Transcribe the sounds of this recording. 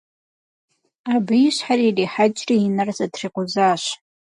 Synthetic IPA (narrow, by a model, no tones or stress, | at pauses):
abɨjiʃħaririħad͡ʒʼriinɨrzadʰriqʷʊzaːʃ